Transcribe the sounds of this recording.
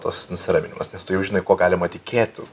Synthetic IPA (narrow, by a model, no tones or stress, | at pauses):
t̪o̰snʊsʲɪɾɑːmʲɪnʲɪ̰mɐsnʲɛst̪ʊjɛʊʒʲɪnɐɪkoːɡɑːlʲɪmɐt̪ʲɪkʲeːt̪ʲɪs